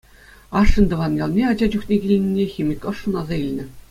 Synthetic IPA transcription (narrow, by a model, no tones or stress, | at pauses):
ɑʂːɤ̆nʲd̪ɤ̆ʋɑnjɑlˠnʲeɑd͡ʑɑd͡ʑuxnʲeɡʲilʲnʲinʲːexʲimʲɘ̆kʲɤ̆ʂːɤ̆nɑzɑilʲnʲɘ̆